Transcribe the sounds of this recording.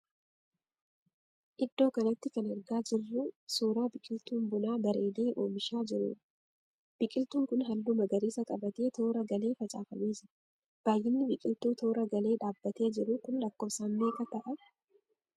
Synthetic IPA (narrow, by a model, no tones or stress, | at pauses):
ʔɪd̪ːo̞ːkɐnɐt̪ːɪkɐnɛɾɡaːd͡ʒɪrːʊsuːɾaːbɪkʼɪlt̪uːmbʊnaːbɐɾe̞ːleːʔo̞̰ːmɪʃaːd͡ʒɪɾṵːᶑɐ̥ | b̥ɪkʼɪlt̪uːŋkʊnɦɐlːʊmɐɡɐɾeːsɐkʼɐbɐt̪e̞ːt̪o̞ːɾɐɡɐle̞ːfɐt͡ʃʼa̰ːfɐmeːsɐ | b̥aːjːɪnːɪbɪkʼɪlt̪uːt̪oːɾɐɡɐle̞ːᶑaːbːɐt̪e̞ːd͡ʒɪɾʊkʊnlɐkːoːfsaːmːe̞ːkɐt̪ɐʔɐ